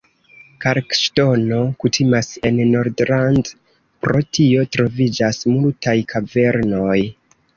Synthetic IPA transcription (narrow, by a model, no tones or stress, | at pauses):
kaɾkʃto̞no̞kutʰimase̞nːo̞ɾdɾand | pɾo̞tʰio̞tɾo̞vid͡ʒasmultajkʰave̞ɾno̞j